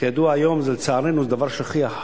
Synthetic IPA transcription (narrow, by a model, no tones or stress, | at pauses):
jad̪uaajomzɛlt͡saaɾenuzed̪avaʁʃaχiaħ